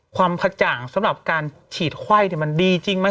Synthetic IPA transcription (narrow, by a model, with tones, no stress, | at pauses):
kʰwaː˧mkʰa˧t͡ɕaː˨˩ŋsa˨˦mɾa˨˩p̚kaː˧n | t͡ɕʰiː˨˩t̪̚kʰwa˥˩jt̪ʰi˧˩ma˧ndiː˧t͡ɕi˧ŋma˦˥